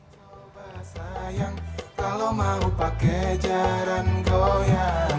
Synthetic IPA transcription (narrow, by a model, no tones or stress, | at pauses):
sa | baɦasajaŋkalomaupakɛd͡ʒaɾanɡoja